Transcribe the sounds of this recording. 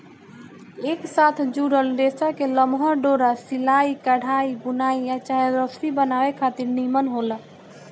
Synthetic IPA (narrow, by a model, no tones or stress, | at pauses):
eksat̪ʰd͡ʒuɽəlɖesakeləmɦəɖoɾasilaikəɽ̤aiɡunaijat͡ʃajəd̪ɾəsɾibənawekʰat̪iɾnimənɦolə